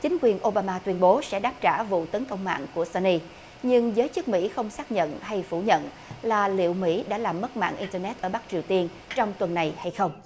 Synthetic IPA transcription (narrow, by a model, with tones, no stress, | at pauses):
t͡ɕï˨˦ŋ̟kwi˨˩ənʔo˧ɓaː˧maː˧t̪wi˧ənɓo˨˦sɛ̰˧˥ɗaː˦˥p̚t͡ɕaː˧˩vṵ˧˨t̪ə˨˦nkə˧wŋ͡mma̰ː˧˨nku˧˩əsa˧ni˧ | ɲɨ˧ŋzəː˨˦jt͡ɕɨ˦˥k̚mḭ˧˥xə˧wŋ͡msaː˦˥k̚ɲə̰˧˨nɦa˧jfu˧˩ɲə̰˧˨n | laː˨˩lḭ˧˨əwmḭ˧˥ɗa̰ː˧˥laː˨˩mːə˦˥t̚ma̰ː˧˨nʔi˧nt̪əː˧nɛ˦˥t̚ʔəː˧˩ɓa˦˥k̚t͡ɕi˨˩əwt̪i˧ən | t͡ɕɔ˧wŋ͡mt̪wə˨˩nːa˨˩jha˧jxə˧wŋ͡m